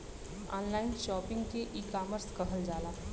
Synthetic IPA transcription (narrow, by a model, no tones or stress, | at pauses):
ɔ̰ːnlaːɪnʃɔːpɪ̃ŋɡkeʔiːkaːməɾskɐɦəld͡ʒaːlaː